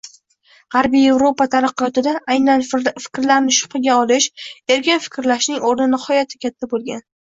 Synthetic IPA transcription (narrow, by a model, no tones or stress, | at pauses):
ʁɑɾbije̞vɾopat̪ʰaɾɨqjɒt̪ɪd̪aʔːjnanfɪ̥kʲɾlaɾnɪʃʊ̥qɨɡʲaɒlɪʃe̞ɾkʲanfɪ̥kʲɾlaʃnɪŋoɾnɪnɪhɒjat̪ʰɪkʲʰat̪ʰːabolˠɡʲan